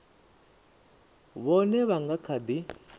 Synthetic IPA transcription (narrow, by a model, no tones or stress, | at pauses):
βɔnɛβaŋɡakʰad̪i